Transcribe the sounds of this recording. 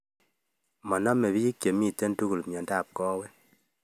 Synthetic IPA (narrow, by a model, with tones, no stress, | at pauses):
mɔ˨nɔ˦me˨bi˦ji˦kje˨mi˦˨te˦n˦tu˦ku˨lmjɔ˨nda˦˨p̚kɔː˦we˦n